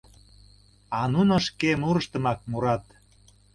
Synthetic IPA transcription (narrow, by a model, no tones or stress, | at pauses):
ɑnunoʃkemuɾəʃt̪ə̆mɑk̚muɾɑt̪